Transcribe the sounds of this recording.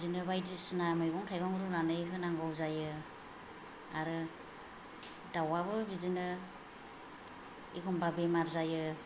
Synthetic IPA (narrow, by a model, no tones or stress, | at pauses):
zinɯβajdisnamɯjɡɔŋtʰajɡɔŋɾuɾanɯjɦɯnaŋɡɔwzajɯ | aɾɯ | dawaβɯbizinɯ | ḭkʰɔmbabemaɾzajɯ